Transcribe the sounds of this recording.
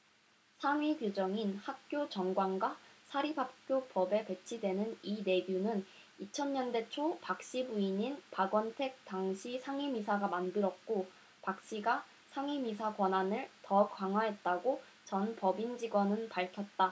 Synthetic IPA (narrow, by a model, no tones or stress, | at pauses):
sʰaŋɥikjod͡ʑʌŋinhak̚k͈jot͡ɕʌŋɡwaŋɡwasʰaɾibak̚k͈jopʌbe̞pwe̞t͡ɕʰidwe̞nɯnine̞ɡjunɯn | it͡ɕʰʌɲɲʌnde̞t͡ɕʰopak̚ɕ͈ibuiɲinpaɡwʌntʰe̞k̚t͈aŋɕʰisʰaŋɥimisʰaɡamandɯɾʌk̚k͈o | pak̚ɕ͈iɡa | sʰaŋimisʰakwʌnanɯɭtʌkwaŋɦwaɦe̞t̚t͈aɡo | t͡ɕʌnpʌbind͡ʑiɡwʌnɯnpaɭkʰjʌt̚t͈a